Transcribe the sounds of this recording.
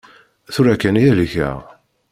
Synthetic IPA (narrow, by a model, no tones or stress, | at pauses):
θuɾækːænijæliçæ̰